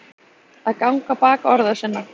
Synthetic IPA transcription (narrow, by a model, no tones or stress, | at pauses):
aðkawŋkapaːkɔɾðḁsɪnːa